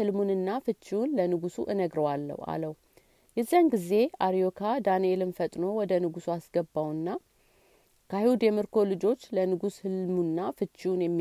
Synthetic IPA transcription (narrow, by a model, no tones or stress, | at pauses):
ɨlmunɨnːafɨt͡ʃːiwunlənɨɡusuʔɨnəɡɾəwalːə̰wa̰ləw | jɛzːianɡize̞aɾijo̞kʰad̪anielɨnfət̪ʼno̞wɔd̪ənɨɡusuasɡəbːawɨnːa | kʰəhiwud̪jɛmɨɾkʰo̞lɨd͡ʒo̞t͡ʃːlənɨɡushɨlmunːafɨt͡ʃːiunjɛmːi